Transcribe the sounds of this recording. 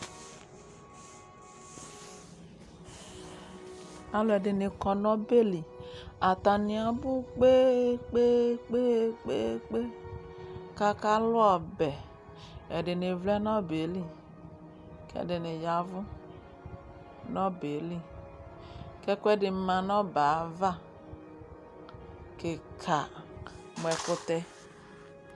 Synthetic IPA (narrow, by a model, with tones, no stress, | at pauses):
a˨lo˨˦ɛ˨de˨ne˨kɔ˨nɔ̃˦be˦li˨a˨t̪a˨nĩ˨a˨bu˦k͡pe˦k͡pe˦k͡pe˦k͡pe˦k͡pe˦ | ka˦ka˦lʊ˦a˨bɛ˨ | ɛ˨ɖɪ˨ne˨vlɛ˦nɔ̃˦be˨˦li˦ | kɛ̰˦˨de˨ne˨ja˨vʊ˦ | nɔ̃˦be˨li˦ | kɛ˦ku˦ɛ˦dɪ˨mã˨nɔ̃˦ba˨˦va˦ | ke˨kʰa˨ | m˨ɛ˨kʊ˦t̪ɛ˦